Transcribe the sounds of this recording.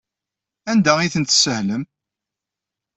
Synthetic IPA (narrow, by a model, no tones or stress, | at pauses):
ænd̪æiθənt̪səhləm